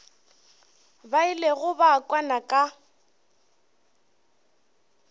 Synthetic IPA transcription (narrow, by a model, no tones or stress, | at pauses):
baileɣʊbaːkʼwanakʼa